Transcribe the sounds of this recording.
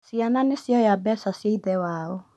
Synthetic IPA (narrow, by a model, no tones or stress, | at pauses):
siananesjɔjabɛsasjaiðɛwaɔ